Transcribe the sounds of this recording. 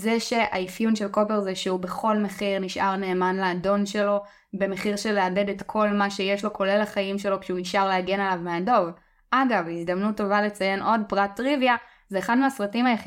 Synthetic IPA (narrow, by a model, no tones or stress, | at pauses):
zeʃe̞ʔa̰ifjunʃe̞lko̞peʁzeʃeube̞χo̞lme̞χiʁniʃʔaʁneːmanlaːdo̞nʃe̞lo̞ | be̞me̞χiʁʃeleade̞detkʰo̞lmaʃe̞jeʃlo̞kʰo̞lelaχajimʃe̞lo̞kʃɛuiʃʔaʁleaɡe̞nalavmeado̞v | ʔaɡavizdɐmnutːo̞vale̞t͡saje̞nʔo̞dpʁatːʁivja | zeːχadmeasʁatimhajaχi